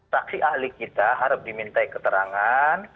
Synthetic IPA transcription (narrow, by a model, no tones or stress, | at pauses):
saksiʔahlikit̪aɦaɾʊp̚dimint̪ajkət̪əɾaŋan